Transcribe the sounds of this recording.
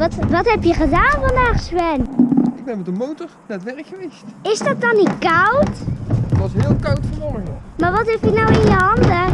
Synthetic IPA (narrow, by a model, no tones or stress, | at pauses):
ʋɑtʋɑtɦɛpjəχədaːnvɑndaːχswɛnɪɡ̚bɛnmɛtənmowtɔɹnatʋɛɹkχəʋejstɪzdɑt̚dɑnitkawtʋɑsɦɪːlˠkawtfɔɔməəmaːʋɑtɦɛpjənawɪnjəɦɑndə